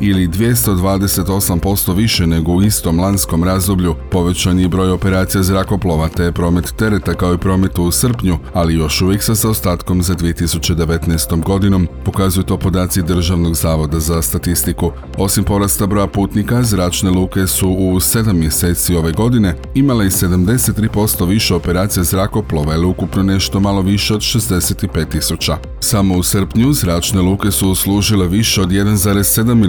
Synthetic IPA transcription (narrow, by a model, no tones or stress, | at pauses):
ilid̪ʋje̞st̪o̞d̪ʋaːd̪e̞se̞t̪o̞sampo̞st̪o̞ʋiʃene̞ɡo̞uist̪o̞mlˠansko̞mɾazd̪o̞bʎʲupo̞ʋe̞t͡ɕaniːbɾo̞ːjo̞pe̞ɾaːt̪sijazɾako̞plˠo̞ʋat̪ejepɾo̞ːme̞t̪ːe̞ɾe̞t̪akao̞ipɾo̞ːme̞t̪uusr̩pɲualijo̞ʃuʋje̞ksasaost̪aːt̪ko̞mzad̪ʋije̞t̪isut͡ɕe̞d̪e̞ʋe̞t̪nast̪o̞mɡo̞d̪ino̞mpo̞kazujut̪o̞ːpo̞d̪aːt̪sid̪r̩ʒaʋno̞ɡzaːʋo̞d̪azast̪at̪ist̪iku | o̞simpo̞ɾast̪abɾo̞japuːt̪nikazɾaːt͡ʃne̞lˠuːke̞suuse̞d̪amːje̞se̞ːt̪sio̞ʋe̞ɡo̞d̪ine̞ | imaleise̞d̪amd̪e̞se̞t̪ːɾiːpo̞st̪o̞ʋiʃe̞o̞pe̞ɾaːt̪sijezɾako̞plˠo̞ʋailiukupno̞ne̞ʃt̪o̞malo̞ʋiʃe̞o̞d̪ʃe̞zd̪e̞se̞t̪ipe̞ːt̪ːisut͡ɕa | samo̞usəɾ̩pɲuzɾaːt͡ʃne̞lˠuːke̞suslˠuːʒile̞ʋiʃe̞o̞d̪je̞d̪anzaːɾesːe̞d̪amː